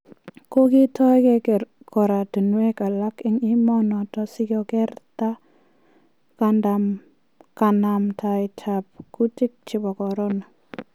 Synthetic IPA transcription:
ko˦kɪ˦tʰɔ˦ɛ˦kɛ˦kɛ˨ | kɔ˨ɾa˨tu˨nwe˦ka˨la˦kɪ˦ŋɪ˦mɔ˦nɔ˨tɔ˦sɪ˦kɔ˨kɛ˦rta˦ | kandam | ka˨na˨mtʰa˨ɪtʰa˨p̚ku˦tɪ˦k̚t͡ʃɪ˨bɔ˨kɔ˨ɾɔ˦na˨

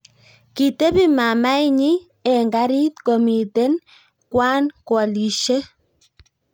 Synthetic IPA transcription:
ki˨te˦pi˦ma˨ma˦i˦ɲi˦ | ɛ˨ŋɡa˦ɾi˦tko˨mi˨te˦n | kwa˦nkwɔ˨li˨ʃe˦

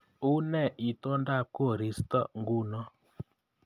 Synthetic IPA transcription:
u˦nɛ˦˨ʔi˨tɔ˦nda˦˨ko˦˨ɾi˨˦stɔ˦ŋɡu˦nɔ˦

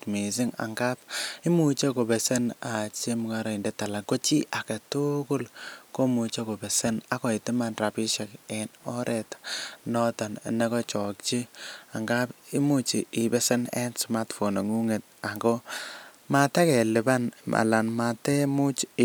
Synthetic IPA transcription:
mi˨s̬ɪ˦ŋa̰˨ŋɡa˦p̚ɪ˦mu˦t͡ʃe˦ko˨bɛ˨se˦na˨t͡ʃe˦mu˨ka˦ɾɔ˨i˨nde˦tːa˨la˨ko˦t͡ʃi˦ʔa˨ke˨tu˦kʊ˦lko˦mu˨t͡ʃe˦ko˨bɛ˨se˦na˨kɔ˨i˨tɪ˦ma˨nra˨pi˦ʃa˨kɛ˨nɔ˦ɾʔɛ˨tnɔ˦tɔ˨n˨ne˦kɔ˦t͡ʃɔ˨k̚t͡ʃi˦a˨ŋɡa˦pi˦mu˦t͡ʃi˨ɪ˨bɛ˦se˦nɛ̰˦nsma˦tfo˨na˨ŋu˦ŋe˨t̚ | a˨ŋɡo˦ | mata˦kɛ˨lɪ˨ba˦nmʔa̰˨la˨nmatɛ˦mu˦t͡ʃ

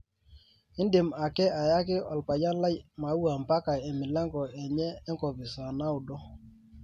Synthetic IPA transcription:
ɪ˦ndɪ˨ma˨kɛ˦a˨ja˦kɪ˦a˨lpa˨ja˦nla˦jma˨˦u˦a˨mpa˦ka˨ɛ˨mɪ˨lɛ˦ŋɡɔ˨ɛ˨ɲɛː˦ŋkɔ˨pɪ˨sa˨na˦ʊ˨dɔ˦

